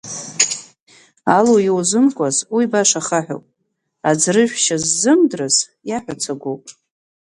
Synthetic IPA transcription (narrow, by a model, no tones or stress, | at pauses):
alowjwzɨmkʷʼazwibaʂaχaħʷᶣo̰pʼ | ad͡zrɨʒᶣʷʃazːɨmdrɨz | jaħʷᶣat͡sʰaɡʷowpʼ